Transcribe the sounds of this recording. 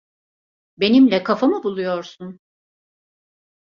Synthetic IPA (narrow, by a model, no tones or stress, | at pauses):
be̞nimlʲɛkʰafamɯbulˠujo̞ɾsun